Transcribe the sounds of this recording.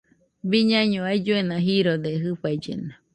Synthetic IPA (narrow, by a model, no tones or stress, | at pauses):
biɲãɲõaid͡ʒuenãɦiɾod̪eɦɨɸajd͡ʒḛna